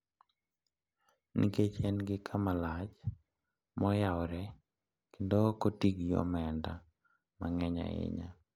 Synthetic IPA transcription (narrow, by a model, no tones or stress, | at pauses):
nḭket͡ʃɛnɡɪkʰamalat͡ʃ | mɔjawɔɾɛ | kendokotiɡjo̰mɛnda | maŋɛɲa̰ɪ̰ɲa̰